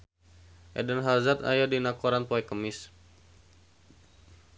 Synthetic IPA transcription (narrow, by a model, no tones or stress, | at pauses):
ʔɛ̰dənɦazat̪a̰jadinakoɾanpoɛkəmɪs